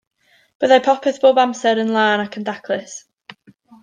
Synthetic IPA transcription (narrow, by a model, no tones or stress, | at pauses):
b̥əðajpʰɔpʰɛθb̥oːbamsɛɾənlˠaːnakʰəndakʰlˠɪs